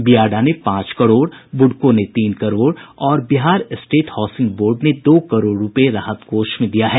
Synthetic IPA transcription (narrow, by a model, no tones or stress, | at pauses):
bijaːɖanepãːt͡ʃkɐɾoːɽbʊɖkõnet̪iːnkɐɾoːɽɔːɾbɪɦaːɾsʈeːʈhɔːsɪ̃ŋɡboːɾɖned̪oːkɐɾoːɽːʊpeɾaːɦət̪koːʃmẽd̪ijaɦɛː